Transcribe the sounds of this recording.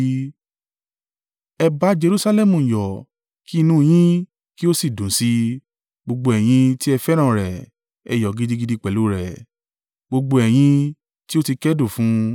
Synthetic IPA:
ɛ˧ba˨˦d͡ʒe˧ɾu˦sa˧lɛ˦mũ˨jɔ˨ | ki˦˧nũ˧i˧j̃ĩ˦ | ki˦o˦si˦˨dũ˨si˧˦ | ɡ͡bo˧ɡ͡bo˧ɛ˨j̃ĩ˧ti˦ɛ˧fɛ˦ɾ̃ã˦˨ɾɛ˨ | ɛ˧˨jɔ˨ɡi˨˦di˦ɡi˧˦di˦k͡pɛ˨lu˨˦ɾɛ˨ | ɡ͡bo˧ɡ͡bo˧ɛ˨j̃ĩ˧ | ti˦o˦ti˧kɛ˦do˦˨fũ˨˦

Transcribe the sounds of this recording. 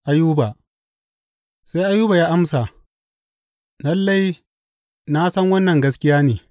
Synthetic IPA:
ʔa˦juː˦ba˨ | sa˦jʔa˦juː˦ba˨jaː˦ʔa˦msa˨ | nɐ˦lːa˦i˨˦ | na˦sɐ˦ŋwɐ˦nːɐ˨ŋɡɐ˦s̬kʲɪ˦jaː˦neː˨

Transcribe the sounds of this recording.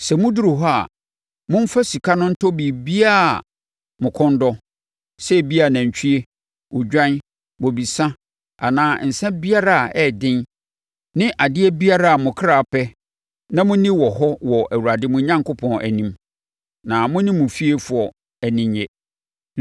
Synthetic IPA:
sɛ˨mʊ̃˦du˦ɾu˨ɦɔ˦a̰˨ | mʊ̃˦m̩˦fa˦si˨kʰa˦nʊ̃˦n̩˦tʰɔ˦bi˨bi˦a˦˨ | mʊ̃˨kʰɔ̃˦n˦dɔ˦ | sɛ˦˨bi˦a˨nã˨ɲ˨t͡ɕʰᶣi˦e˦ | ʔʊ˨d͡ʑᶣã˦n | wɔ˨bi˨sã˦ | a˨nãː˦n̩˨sɛ̃˦bi˦a˦ɾa˨a˨ɛ˦dɪ̃˦n | nɪ̃˦ʔa˨dɪ˦ɛ˦bi˦a˦ɾa˦a˨mʊ̃˨kʰɾa˨pɛ˦ | nã˦mʊ̃˦nĩ˦wɔ˨ɦɔ˦wɔ˨ʔæ˨wu˨ɾa˨dɪ˦mʊ̃˨ɲã˦ŋkʰʊ˦pʰɔ̃˨nʔæ̰˨nĩ˦m | nã˨mʊ̃˦nĩ˦mũ˨fi˦e˦fʊ˨ɔ˨ | æ˨nĩ˦ɲɲɛ˦

